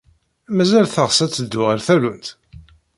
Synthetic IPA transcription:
æmæzælθəʁsæt͡sːəd̪ːʊʁæɾθælunt̪

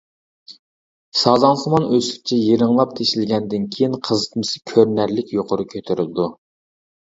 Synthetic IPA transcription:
sɑzɑnsɨmɑnøsɪ̥k̚ʲt͡ʃʰɛjeɾɪŋlˠɑp̚t̪ʰeʃɪlɡʲɛnd̪ɪnkʲʰejinqʰəzɨt̪ʰmɨsɨ̥kʲʰøɾnæɾlɪkʲjoqʰʊɾukʲʰøt̪ʰøɾɪlɨd̪u

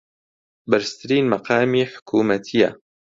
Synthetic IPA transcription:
bɐɾst̪ʰɨɾiːnmɐqʰɑːmiːħʊ̥kʰuːmɐt̪ʰijɐ̰

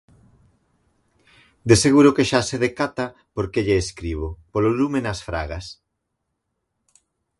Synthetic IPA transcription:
d̪eseɣuɾokeʃaseðekat̪a | poɾkeʎeːskɾiβ̞opololumenɐsfɾa̰ɣas

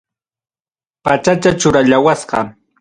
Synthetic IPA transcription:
pat͡ʃat͡ʃat͡ʃʊɾaʎawasɢɑ

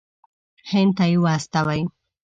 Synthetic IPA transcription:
hent̪aiwast̪awaj

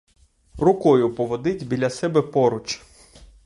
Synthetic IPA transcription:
rʊkɔjʊpɔʋɔd̪ɪtʲbʲilʲɐsɛbɛpɔɾʊt͡ʃ

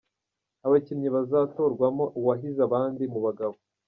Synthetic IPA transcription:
aβacimɲiβazato̞ɾɡwamo̞ʔuwaɦizaβaːndimuβaɡaβo

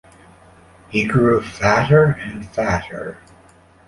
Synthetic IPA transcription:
hiɡɹufæɾə˞ɨ̃nfæɾə̰˞

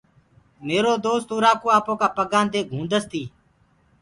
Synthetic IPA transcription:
meːɾoːd̪oːst̪oːɾaːkoːaːpõːkaːpəɡãːnd̪eːɡʱũːnd̪əst̪iː

